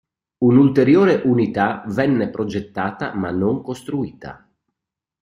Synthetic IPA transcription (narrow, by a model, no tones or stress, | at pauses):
unult̪eɾjoːɾeʔunit̪avɛnːepɾod͡ʒet̪ːaːt̪a̰manːoŋkost̪ɾuiːt̪a̰